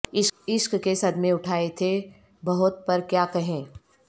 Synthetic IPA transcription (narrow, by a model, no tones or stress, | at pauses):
ɪɪʃkkesɐd̪mẽʊʈʰaːet̪ʰe | bɐɦʊt̪̚pɐɾkjaːkɐɦẽː